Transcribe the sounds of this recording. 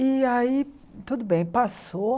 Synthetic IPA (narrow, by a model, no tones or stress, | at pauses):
iai | t̪ud̪ʊbẽj̃paso